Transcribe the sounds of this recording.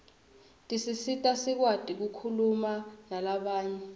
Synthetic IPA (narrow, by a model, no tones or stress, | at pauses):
tʼisisitʼasik̬watʼik̬ukʰulumanalaɓaːɲɛ